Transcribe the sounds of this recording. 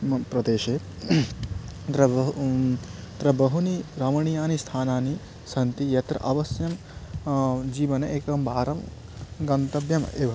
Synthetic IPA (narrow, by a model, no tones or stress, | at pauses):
pɾɐd̪eːʃeː | t̪ɾɐ | t̪ɾɐbɐɦuniɾɐmɐɳijaːnist̪ʰaːnaːni | sɐnt̪ijɐt̪ɾɐ̰ʔɐʋɐsjɐm | d͡ʒiːʋɐnɐeːkɐɐmbaːɾɐm | ɡɐnt̪ɐbjɐmeːʋɐ